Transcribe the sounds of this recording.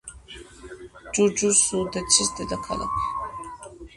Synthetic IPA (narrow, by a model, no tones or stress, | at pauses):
d͡ʒud͡ʒusud̪ɛt͡ʃʰisd̪ɛd̪akʰa̰la̰kʰ